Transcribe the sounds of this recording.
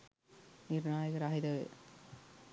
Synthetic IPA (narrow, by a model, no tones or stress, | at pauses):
niɾɳaːjɐkɐɾaːɦid̪ɐʋḛ